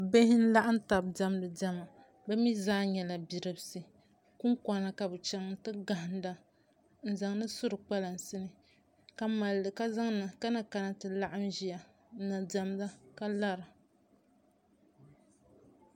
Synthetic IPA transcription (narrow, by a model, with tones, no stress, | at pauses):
be˦hɪ˦n̩˦la˦ʔa˦n̩˦ta˨bda˦m˦lɨ˨da˦ma˨ | bɛ˦mi˦zaː˦ɲɛ˨la˨bi˨ɾɨ˨bsɨ˨ | ku˦ŋka˨na˨ka˨bɨ˨t͡ʃɛ˦ŋ˦tɨ˦ɡa˨ɦɪ˨n˦da˦ | n̩˨za˨ŋ˦nɨ˦sʊ˦ɾɨ˨k͡pa˦la˨n˨sɨ˦nɨ˨ | ka˦ma˨lːɨ˨ka˦za˦ŋ˦na˨ka˦na˨ka˨na˦tɨ˨la˦ʔa˦m˦ʒi˦ja˨ | n̩˦na˨da˨m˦da˦ka˦la˦ɾa˨